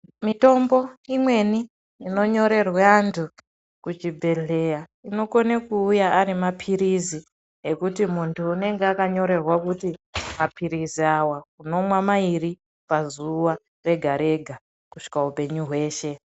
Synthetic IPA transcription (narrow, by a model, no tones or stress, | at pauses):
mito̞mbo̞imwe̞niː | no̞ɲo̞ɾe̞rwaːntʰu | kut͡ʃibʱe̞ɮe̞ja | ino̞konekuːjaːɾimapʰiɾizi | ekutimuntʰuːne̞ŋɡeakaɲo̞ɾe̞rwakutimapʰiɾiziawakuno̞mwamairi | pazuwa | re̞ɡʱaɾe̞ɡʱa | kuʃi̥kaɦupe̞ɲuɦwe̞ːʃe̞